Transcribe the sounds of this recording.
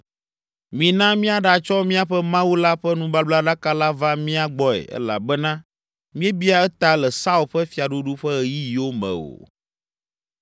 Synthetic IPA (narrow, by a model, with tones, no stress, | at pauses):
mĩ˨nã˦mĩ˦a˦˨ɖa˨t͡ʃɔ˦mĩ˦a˦ɸɛ˦mã˦wu˦la˦ɸɛ˦nũ˦ba˦bla˦ɖa˦ka˦la˦va˦mĩ˦a˨ɡ͡bɔ˦ɛ̰˨ʔɛ̰˦la̰˨bɛ˦nã˦ | mĩ˦ɛ˦bi˦a˦˨ɛ˦t̪a˦lɛ˨sa˦u˨lɸɛ˦fi˨a˨ɖu˦ɖu˦ɸɛ˦ɛ˨ji˦ji˨wo˦mɛ̰̃˨o̰˨